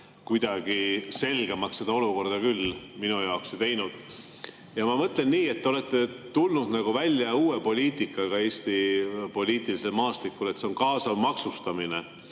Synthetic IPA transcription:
kujd̪̥ɑɡ̥ise̞lɡ̥e̞mɑkse̞d̪ɑo̞luko̞rd̪̥ɑkylːminujɑokset̪e̞jnud̪̥ | jɑmɑmɤt̪ˑle̞nːiːe̞t̪ːeo̞le̞t̪ːe̞t̪ulnud̪̥nɑɡ̥uvælʲjɑuːwe̞po̞lʲiːt̪ˑikˑːɑɡ̥ɑe̞ːsʲt̪ipo̞lʲiːt̪ˑilise̞lmɑːst̪likːˑule̞t̪se̞onkɑːsɑmɑksust̪ɑmine̞

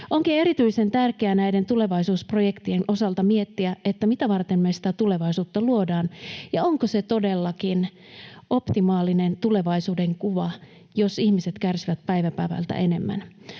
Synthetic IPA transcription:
ʔoŋkie̞ɾit̪yisent̪ærkeænæident̪ule̞ʋɑisuːsprojekt̪ienʔo̞sɑlt̪ɑmiet̪ːiæet̪ːæmit̪æʋɑrt̪emmesi̥t̪æt̪ule̞ʋɑisuːt̪ːɑluodɑːnjɑoŋkoset̪odelːɑkin | ʔo̞pt̪imɑːlinent̪ule̞ʋɑisuːdeŋkuʋɑ | josihmiset̪kærsiʋæt̪̚pæiʋæpæ̰iʋæ̰lt̪æ̰ʔene̞mːæ̰n

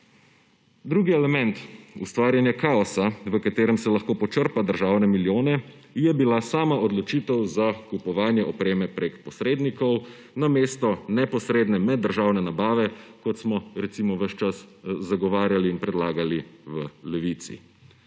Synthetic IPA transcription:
d̪ɾuɡiɛlɛmɛnt̪ust̪ʋaːɾjanjakaːɔsaʋəkat̪eːɾɛmsɛlaxkoːpɔt͡ʃəɾpad̪əɾʒaːwnɛmiljoːnɛ | jɛbilasaːmaɔd̪lɔt͡ʃiːt̪ɛwzakupɔʋaːnjɛʔɔpɾeːmɛpɾekpɔsɾeːd̪nikɔw | nameːst̪ɔnɛpɔsɾeːd̪nɛmɛd̪ːəɾʒawnɛnabaːʋɛkɔt̪smɔɾɛt̪simɔʋəʃt͡ʃaszaɡɔʋaːɾjaliːnpɾɛd̪laːɡaliʋəlɛʋit̪sḭ

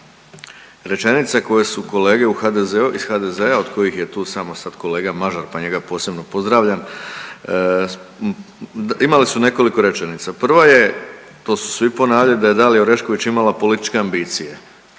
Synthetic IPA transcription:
ɾe̞t͡ʃe̞nit̪sako̞jesuko̞le̞ːɡe̞uxad̪ezeuʔiz̥xad̪e̞zeaod̪ko̞jixjet̪uːsaːmosad̪̥ko̞le̞ːɡamaʒaɾpaɲe̞ɡapo̞ːse̞bno̞po̞zd̪ɾaːʋʎan | imalisune̞ko̞liko̞ɾe̞t͡ʃe̞nit̪sapr̩ʋaje̞ | t̪o̞ːsu̥sʋipo̞naːʋʎalid̪aje̞d̪alioɾe̞ʃkoʋit͡ɕimalapo̞lit̪it͡ʃkeambiːt̪sije

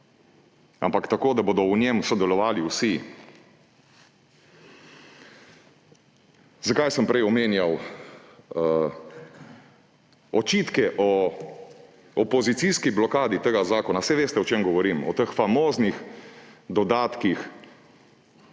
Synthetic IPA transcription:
ampakt̪akoːd̪aboːd̪ɔwnemsɔd̪ɛlɔʋaːliwsi | zakajsəmpɾɛjɔmeːnjaw | ɔt͡ʃiːt̪kɛʔɔ | ɔpɔzit̪siskiblɔkaːd̪it̪əɡazaːkɔnasɛʋeːst̪ɛɔt͡ʃeːmɡɔʋɔɾimɔ̰t̪əxfamoːznix | d̪ɔd̪aːt̪kix

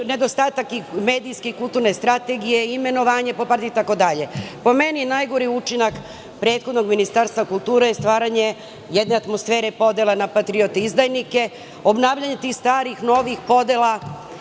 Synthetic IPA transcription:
ne̞d̪ost̪aːt̪akime̞ːd̪ijskeikulˠt̪uɾne̞st̪ɾat̪e̞ɡije̞ime̞no̞ʋaːɲe̞popaɾt̪iit̪ako̞d̪aʎe̞po̞me̞ninajɡo̞ɾiut͡ʃinak | pɾe̞ːt̪xod̪no̞ɡminist̪aɾst̪ʋakulˠt̪uːɾejest̪ʋaːɾaɲe̞ | jed̪ne̞at̪mosfe̞ːɾepo̞d̪elˠanapat̪ɾiot̪eizd̪ajnike̞ | o̞bnaːʋʎaɲet̪ixst̪ʋaːɾixno̞ʋixpo̞d̪ela

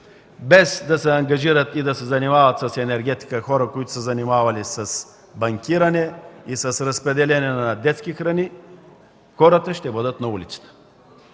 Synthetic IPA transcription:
bɛzd̪ɐsɛɐŋɡɐʒiɾət̪id̪ɐsɛzɐnimavət̪sɐsɛnɛɾɡʲɛt̪i̥kəxɔɾəkoit̪ʊ̥səzɐnimavɐlisɐs | bɐŋkʲiɾɐnɛisəsɾɐspɾɛd̪ɛlɛnɛnɐd̪ɛt̪skixɾɐni | xɔɾət̪əʃt̪ɛbəd̪ət̪nɐulʲit̪sə̥t̪ə̥

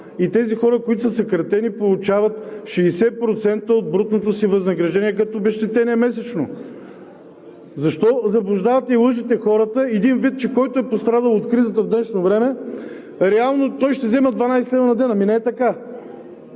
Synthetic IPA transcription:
it̪ɛzixɔɾəkoit̪ʊsəsɐkɾɐt̪ɛnipolˠut͡ʃavɐt̪ʃɛisɛpɾot̪sɛnt̪əod̪̚bɾut̪not̪osivɐznɐɡɾɐʒd̪ɛniɛkɐt̪oːbɛʃt̪ɛt̪ɛnʲiɛmɛs̬ɛt͡ʃno | zɐʃt̪ɔzɐblˠʊʒd̪avɐt̪ɛilˠɤʃit̪ɛxɔɾət̪əɛd̪invit̪̚t͡ʃɛkɔjt̪ʊɛpost̪ɾad̪əlˠot̪kɾizət̪əvd̪ənt͡ʃnovɾɛmɛ | ɾɛalˠnot̪ɔjʃt̪ɛzɛməd̪vanajslɛvnɐd̪ɛnəminɛɛt̪ɐka

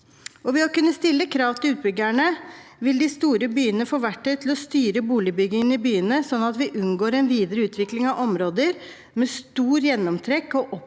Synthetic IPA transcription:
ɔʋɪhɑkʉnːəst̪ɪlːəkʰɾɑːʋt̪ʰɪlʉːt̪̚bʏɡæɳəʋɪld̪ɪst̪uːɾəbyːənəfoːʋæʈːət̪ʰɪlɔst̪yːɾəbuːlɪbʏɡɪŋənəɪbyːənəsɔnːɑt̪ʋɪʔʉnɡoːɾɛnʋiːd̪əɾəʉːt̪ʰʋɪklɪŋɑʋʔɔmɾoːd̪əɾ | mest̪uːɾjɛnːɔmt̪ʰɾɛkːɔʔɔp

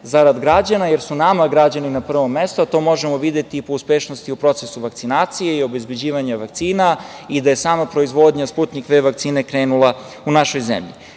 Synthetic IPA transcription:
zaɾad̪ɡɾad͡ʑanajeɾsunamaɡɾad͡ʑaninapr̩ʋo̞mːe̞st̪oat̪o̞mo̞ʒemo̞ʋid̪jet̪iːpouspeʃnost̪iupɾo̞t̪sesuʋak̚t̪inaːt̪sije̞io̞be̞zbe̞d͡ʑiːʋaɲaʋakt̪siːnaid̪ajesaːmapɾo̞izʋo̞d̪ɲasput̪nikʋeʋakt̪siːne̞kɾeːnulˠa | unaʃo̞jzḛmʎḭ

